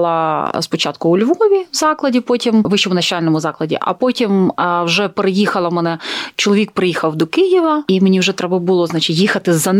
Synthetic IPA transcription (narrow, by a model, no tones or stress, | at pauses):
lˠɐspɔt͡ʃɑt̪̚kʊʊlʲʋɔʋʲiwzɑklˠɐdʲipɔtʲimʋɪʃɔmʊnɐt͡ʃalʲnɔmʊzɑklˠɐdʲḭʔɐ̰pɔtʲimwʒɛpeɾejixɐlˠɐmɛnɛt͡ʃɔlˠɔʋʲik̚pɾɪjixɐwd̪ɔkɪjɪʋɐimenʲiwʐɛt̪ɾɛbɐbʊlˠɔznɑt͡ʃʲɪtʲjixɐt̪ɪzːɐn